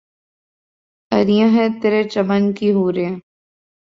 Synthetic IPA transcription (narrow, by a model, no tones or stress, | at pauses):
ɐɾijãɦɛ̃t̪eɾet͡ʃɐmənkiɦuːɾeẽ